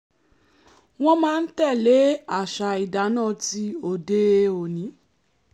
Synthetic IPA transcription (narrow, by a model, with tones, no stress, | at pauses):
w̃ɔ̃˦mãː˦˧n̩˦tɛ˦˨le˨˦a˦˨ʃa˧i˨da˨˦nãː˦˨ti˧o˨de˧o˨nĩ˨˦